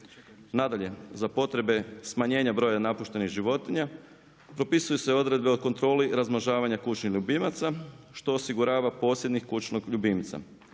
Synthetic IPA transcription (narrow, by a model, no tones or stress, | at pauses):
nad̪aʎe̞zapo̞t̪ɾe̞be̞smaɲe̞ːɲabɾo̞ːjanapuʃt̪e̞niɣʒiʋo̞t̪iɲa | pɾo̞pisujuse̞o̞d̪ɾe̞d̪be̞oko̞nt̪ɾo̞ːliɾazmaʒaːʋaɲakut͡ʃnixʎubimat̪saʃt̪o̞ːsiɡuɾaːʋapo̞ːsje̞d̪nɲixkut͡ʃnoɡʎubimt̪sa̰